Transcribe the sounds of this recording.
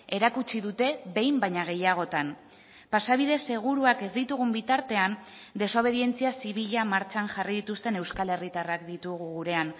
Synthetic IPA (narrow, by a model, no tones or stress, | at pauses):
e̞ɾakut͡ʃiðut̪e̞βe̞jmbajɲaɣ̞e̞jaɣ̞o̞t̪an | pasaβ̞ið̞e̞sːe̞ɣ̞uɾuake̞zd̪it̪uɣumbit̪aɾt̪e̞and̪e̞so̞β̞e̞ðie̞nt͡siasiβ̞iʎamaɾt͡ʃaŋʝariðit̪ust̪e̞ne̞wskale̞rit̪arakd̪it̪uɣ̞uɣuɾe̞an